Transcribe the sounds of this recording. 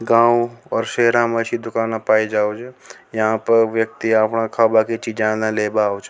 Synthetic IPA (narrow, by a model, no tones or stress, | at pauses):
ɡãːwɔːɾʃeɦɾãməʃid̪ʊkaːnãpaːid͡ʒaːot͡ʃʰejəɦãpəɾʋjək̚t̪iaːpnãkʰaːbakit͡ʃid͡ʒãnãleːbaot͡ʃʰ